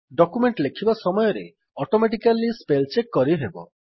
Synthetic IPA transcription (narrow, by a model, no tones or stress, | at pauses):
ɖɔkumeɳʈlekʰibasɔmɔjɔɾḛ | ɔʈomeʈikalːispelt͡ʃekːɔɾiɦebɔ̰